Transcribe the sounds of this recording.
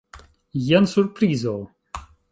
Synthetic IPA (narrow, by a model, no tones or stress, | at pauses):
jansuɾpɾiːzo